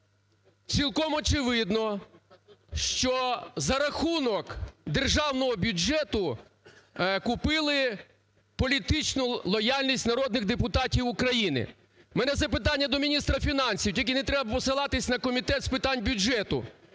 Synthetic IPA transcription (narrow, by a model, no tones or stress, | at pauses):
t͡sʲilˠkɔmɔt͡ʃɪʋɪd̪nɔ | ʃt͡ʃɔzɐɾɐxunɔkd̪erʒɑwnɔɦɔbʲjʊd͡ʒɛt̪ʊ | kʊpɪlˠɪ | pɔlʲit̪ɪt͡ʃnʊlˠɔjalʲnʲisʲtʲnɐɾɔd̪nɪɣd̪epʊt̪ɑtʲiwʊkɾɐjinɪ̰ | mɛnɛt̪zɐpɪt̪ɑnʲːɐd̪ɔmʲinʲist̪ɾɐfʲinɑnʲsʲiwtʲilʲk̬ʲinɛt̪ɾɛbɐpɔsɪlˠɑt̪ɪsʲnɐkɔmʲit̪ɛt̪spɪt̪ɑnʲbʲʊd͡ʒɛt̪ʊ̰